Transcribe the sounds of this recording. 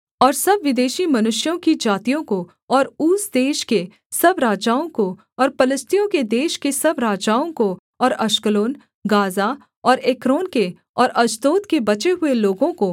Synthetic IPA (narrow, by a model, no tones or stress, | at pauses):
ɔːɾsɐbʋɪd̪eːʃimɐnʊʃjõkid͡ʒaːt̪ijõko | ɔːɾuːsd̪eːʃke | sɐbɾaːd͡ʒaːõko | ɔːɾpɐləst̪ijõked̪eːʃkesɐbɾaːd͡ʒaːõko | ɔːɾɐʃkəloːn | ɡaːza | ɔːɾeːkɾoːnke | ɔːɾɐd͡ʒt̪oːt̪kebɐt͡ʃeɦʊeloːɡõko